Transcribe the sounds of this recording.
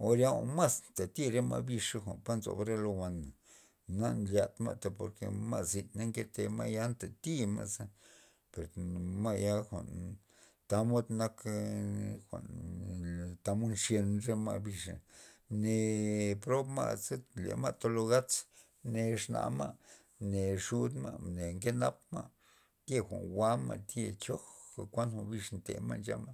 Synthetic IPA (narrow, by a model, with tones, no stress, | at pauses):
o˧ɾja˦o˨˧ma˦snt̪a˨t̪i˦ɾe˦ma̰˧bi˧ʂa˧xʷa˨npa˦nzo̰˨bɾe˦lo˧wʷa˧na˨ | na˦ʔnlja˧˨t̪ma̰˧t̪a˧po̰˨ɾkḛ˧ma˦ʔzi˧t̪na˦ŋke˦t̪e˧ma˦ʔja˦nt̪a˨t̪i˦ma̰˦ʔsa˦ | pe˨ɾma˦ʔja˦xʷa̰˨n | t̪a˧˦mo˦d̪na˦k | xʷa̰˨n | t̪a˧mo˦nʂje˧nʐe˧ma̰˧bi˧ʂa̰˨ne˨pɾo˦bma̰˧ʔse˦lḛ˨ma˧t̪o˦lo˧ɣa˦t͡s | ne˨ʂna̰˨ma˦ | ne˨ʂu˦d̪ma̰˧ne˨ŋke˦na˦pma˦ʔ | t̪je˧xʷa̰˨nwa˦ma̰˧˨t̪je˧t͡ʃo˦xa˨kʷa˦nxʷo˧bi˧ʂnt̪ḛ˨ma˧nd͡ʒa̰˧˦ma˦